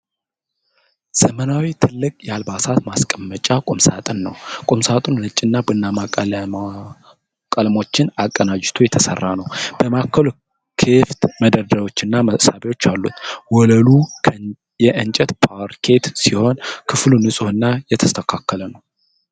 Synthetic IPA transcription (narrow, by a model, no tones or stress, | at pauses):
z̥əmənawit̪ʰɨlːɨkʼjalbasat̪maskʼəmːət͡ʃʼakʼomsat̪ʼɨnːəwkʼomsat̪ʼunnɨt͡ʃʼːɪnːabɨnːama | kʼəlmo̞t͡ʃːɪnakʼːənad͡ʒɪt̪ʰujɛt̪ʰəsə̰rːanəwb̥əmakʰːəl | kʰeft̪məd̪əɾd̪əɾwo̞t͡ʃːɪnːaməʔsabewo̞t͡ʃːalːṵt̪wɔləlu | jɛʔɨnt͡ʃʼɛt̪pʰaɾkʰe̞t̪siho̞nkʰɨflunɨsʼuɨnːajɛt̪ʰəst̪ʰəkʰakːələnəw